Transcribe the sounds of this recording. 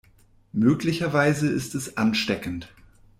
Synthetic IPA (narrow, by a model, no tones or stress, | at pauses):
møːklɪçɐvaɪzəɪstɛsʔanʃtɛkn̩t